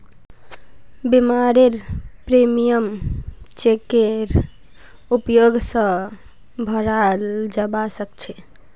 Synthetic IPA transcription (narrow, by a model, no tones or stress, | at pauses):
bimaɾeɾpɾemijəmt͡ʃekeɾ | upjoɡsə̃ | bʱəɾald͡ʒəbasəkt͡ʃʰɛ